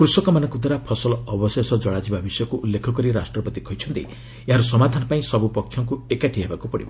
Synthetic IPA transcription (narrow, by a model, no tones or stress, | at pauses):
kɾusɔkɔmanɔŋkud̪ʱɔɾapʰɔsɔlɔɔbɔsesɔd͡ʒɔɽad͡ʒibabisɔjɔkuːlːekʰɔkɔɾiɾasʈɾɔpɔt̪ikʰɔjt͡ʃʰɔnt̪ḭ | eɦaɾusɔmad̪ʱanɔpaĩsɔbupɔkʰjɔŋkuekaʈʰiɦebakupɔɽḭbɔ